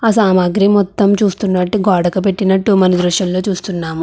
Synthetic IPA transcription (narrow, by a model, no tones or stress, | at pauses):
as̬aːmaːɡɾimɔt̪ːɐmt͡ʃuːst̪unːɐʈːiɡɔːɽɐkɐp̬e̞ʈːinɐʈːumɐnɐd̪ɾɐʃjɐllo̞ːt͡ʃuːst̪unːaːmu